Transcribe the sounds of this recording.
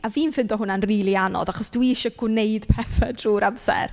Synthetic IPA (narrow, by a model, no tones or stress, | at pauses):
aviːnfɪndɔɦʊnanriːlˠianɔ̰ðaχɔsd̥uiɪʃɔɡwneɨd̥pʰɛθɛdruːɾamsɛ̰r